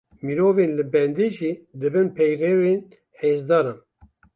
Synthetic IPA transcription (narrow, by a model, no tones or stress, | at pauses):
miɾoːveːnlɨbɛnd̪eːʒiːd̪ɨbɨnpʰɛjrɛːveːn | heːzd̪ɑːɾɑːn